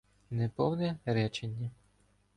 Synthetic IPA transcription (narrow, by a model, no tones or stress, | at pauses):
nɛpɔwnɛɾɛt͡ʃenʲːɐ